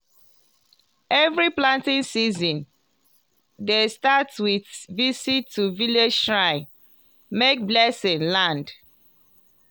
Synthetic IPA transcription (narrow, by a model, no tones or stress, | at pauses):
ɛvɹiplãntĩnsizɔ̃n | destatswiθvisitʰːuviled͡ʒtɹaɪ | mek̚blɛsĩŋlãnd